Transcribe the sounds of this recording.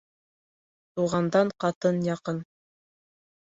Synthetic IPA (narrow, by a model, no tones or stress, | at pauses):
t̪uʁɑnd̪ɑɴqɑt̪ɤnjɑqɤn